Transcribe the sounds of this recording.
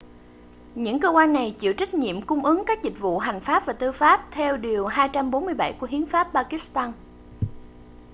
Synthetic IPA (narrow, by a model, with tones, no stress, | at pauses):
ɲɨ̰˧˥ŋkəː˧kwaː˧nːa˨˩jt͡ɕḭ˧˨əwt͡ɕa˦˥k̟̚ɲḭ˧˨əmkʊ˧ŋ͡mʔɨ˨˦ŋkaː˦˥k̚zï˨˩k̟̚vṵ˧˨ɦa˨˩jŋ̟faː˦˥p̚vaː˨˩t̪ɨ˧faː˦˥p̚t̪ʰɛ˧wɗi˨˩əwɦaː˧jt͡ɕa˧mɓo˨˦nmɨ˧əjɓa˧˩jku˧˩əhi˨˦ənfaː˦˥p̚ɓaː˧ki˦˥st̪aː˧n